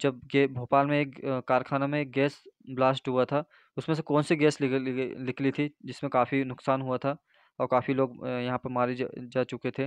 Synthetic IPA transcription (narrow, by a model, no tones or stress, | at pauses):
d͡ʒɐb̚ebʱoːpaːlmẽeːkːaːɾkʰaːnamẽeːk̚ɡɛːsblaːsʈɦuat̪ʰaː | ʊsmẽs̬ekɔːnsiɡɛːslɪkʰlit̪ʰid͡ʒɪsmẽkaːfinʊksaːnɦuat̪ʰa | ɔːɾkaːfiloːɡjɐɦãpɐɾmaːɾed͡ʒaːt͡ʃʊket̪ʰeː